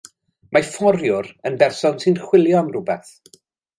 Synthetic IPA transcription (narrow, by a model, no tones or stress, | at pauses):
mafɔɾjʊɾənbɛrsɔnsɨnχwɪlˠjɔnrʊbɛθ